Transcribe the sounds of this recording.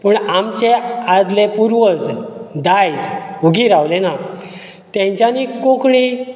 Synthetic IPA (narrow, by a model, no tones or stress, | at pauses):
pəɳamt͡ɕead̪lepuɾʋət͡sd̪ajd͡zuɡiːɾaʋlena | t̪jẽɲt͡ɕjanikokɽi